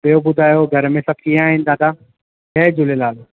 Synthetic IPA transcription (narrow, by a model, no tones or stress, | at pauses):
ɓijobʊd̪ʱaːjoɡʱɐɾmẽsɐkʰiaːɦĩːnɪ̆d̪aːd̪aː | ɦɛːd͡ʑʊlelaːl